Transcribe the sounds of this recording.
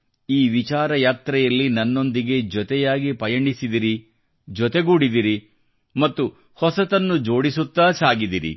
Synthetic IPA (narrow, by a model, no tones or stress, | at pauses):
iːʋit͡ʃaːɾɐjaːt̪ɾɛjɐlːinɐnːo̞nd̪iɡe̞d͡ʒɔt̪ɛjaːɡipɐjɐɳɖisid̪iɾi | d͡ʒɔt̪eɡuːɽid̪iɾi | mɐt̪ːu | hɔsɐt̪ɐnːud͡ʒo̞ːɽisut̪ːaːsaːɡid̪iɾḭ